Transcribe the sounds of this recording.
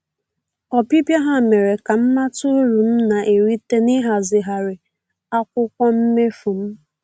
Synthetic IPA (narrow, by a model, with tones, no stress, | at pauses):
ɔ˨pi˦pja˦ɦa˨me˨ɾe˨ka˨m̩˦ma˦tʊ˦ɾu˨m̩˦na˨ʔe˨ɾi˦te˦nɪ˦ɦa˨zɪ˨ɦa˨ɾɪ˨ | a˦kʷʊ˦kʷɔ˦m̩˦me˦fu˨m̩˦